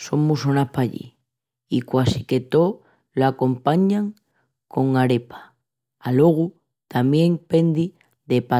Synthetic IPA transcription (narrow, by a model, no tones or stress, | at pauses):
so̞ŋmusonapaʎḭ | ikwasike̞t̪o̞ | lako̞mpaɲaŋ | kʰo̞ŋaɾe̞pḁː | lo̞ɣ̞u | t̪amje̞ŋpe̞nd̪i | ðe̞pa